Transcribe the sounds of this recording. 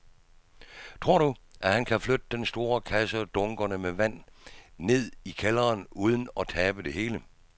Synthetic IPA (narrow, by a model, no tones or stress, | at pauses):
t͡sʰʁo̝ɐ̰ɾ̥uʔæhænkʰæflød̥əd̥ensd̥o̝ːɐkʰæsəd̥ɔ̽ŋɡ̥ɐnəmeʋæn̰ne̝ð̞̰ˠikʰelɐːnuːð̞ˠən̩ɒ̽t͡sʰɛːb̥əd̥e̝ɦe̝ːlə